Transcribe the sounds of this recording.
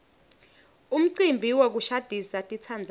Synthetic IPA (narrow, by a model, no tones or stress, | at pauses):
um̩ǀimbʱiwok̬uʃad̥ʱisatʼit͡sʰand͡zʱ